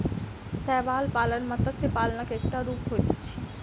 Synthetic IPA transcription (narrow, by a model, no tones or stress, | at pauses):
sɛːʋaːlpaːlənmɐ̃t̪əsepaːlnakekʈaɾuːpɦoːit̪i̥t͡ʃʰi̥